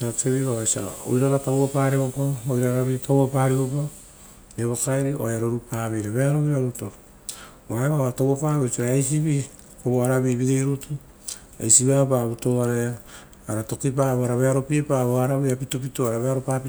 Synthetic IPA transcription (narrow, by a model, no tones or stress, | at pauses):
atʰeβiβaesa̰a̰o̰jɾaɾatawapaɾeβopaojɾaɾaβitawapaːɾiopa | eβokajɾioeɾoɾupaːβejɾaβeaɾoβiɾaɾuto | waeβaatowapaβosiɾaejsiβi | koβoaɾaβiβiɾejɾutu | ḛjsiβapaβutoaɾaaː | ɾato̞kip̬aβoaɾaβeaɾo̞piepaβoaɾaβiapitopitoaɾaβeaɾopapi